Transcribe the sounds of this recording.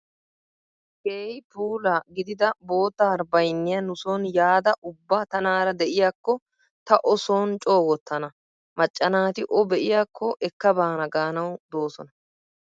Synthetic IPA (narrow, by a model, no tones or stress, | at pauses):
keːjpuːlɐɡɪd̪ɪd̪ɐbo̞ːt̪ːaːɾbɐjnːɪjɐnʊsoːnjaːd̪ɐʔʊbːat̪ɐnaːɾɐd̪ɛʔɪjaːkːɔ | t̪ɐʔɔsoːnt͡ʃʼo̞ːɡɔt̪ːɐnɐ | mɐt͡ʃʼːɐnaːt̪ɪʔɔbɛʔɪjaːkʰːɔʔɛkːɐbaːnɐɡaːnɐwd̪o̞ːsɔ̰nɐ